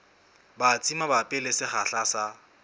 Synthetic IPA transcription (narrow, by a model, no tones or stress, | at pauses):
bat͡sʼimabapʼɪlɪsɪχaɬasa